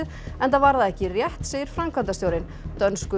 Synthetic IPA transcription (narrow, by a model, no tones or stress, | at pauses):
ð | ɛnt̪avaɾðaðɛhcɪrjɛht̪seːjɪɾ̥fɾamkʰvant̪ast̪joːwɾɪn | t̪œnskʏ